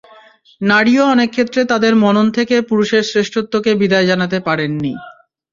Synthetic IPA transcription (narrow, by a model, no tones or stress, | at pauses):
naɽioɔnekʰːet̪ːɾet̪ad̪eɾmɔnont̪ʰekepuɾuʃeɾsɾeʃʈʰot̪ːokebid̪aed͡ʑanat̪epaɾenːi